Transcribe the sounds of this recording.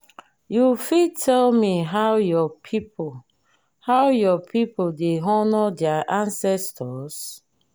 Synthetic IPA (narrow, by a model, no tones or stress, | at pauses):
jufidtʰɛlmiɦawjɔpʰipo | hawjɔpʰipodeɦɔnɔdɛaʔãnsɛstʰɔs